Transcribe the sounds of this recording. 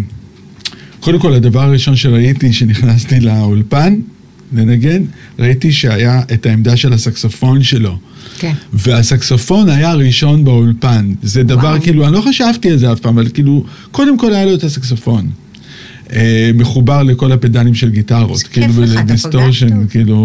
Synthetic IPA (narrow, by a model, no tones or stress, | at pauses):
kodemko̞ladavaʁaʁiʃo̞nʃe̞ʁaitiʃe̞niχnastileulpan | le̞naɡe̞n | ʁaitiʃe̞ajaetaemdaʃe̞lasaksofo̞nʃe̞lo̞ | ve̞asaksofo̞najaʁiʃo̞nbeulpanzedavaʁkiːluanlo̞χaʃavtialzeavpaːmavalkiːlu | ko̞de̞mko̞lajaloetasaksofo̞n | eme̞χubaʁle̞ko̞lapedalimʃe̞lɡitaʁo̞̰tkiilubdistoʁʃonkiːlu